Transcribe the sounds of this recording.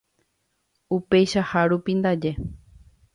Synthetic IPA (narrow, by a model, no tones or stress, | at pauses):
upe̞jʃahaɾupind̪ad͡ʒe̞